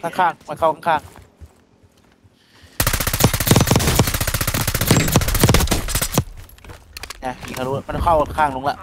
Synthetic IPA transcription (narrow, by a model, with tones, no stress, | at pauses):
kʰa˥˩ŋkʰaː˥˩ŋma˧˥˨kʰa˥˩wkʰa˥˩kʰaː˧˥˩ŋ | a˧˩i˨˩kʰaː˧˩ɾuː˦˩˧ma˧˥n˧kʰa˥˩wka˥˩kʰaː˧˩ŋlo˧ŋlɛ˦˧ʔ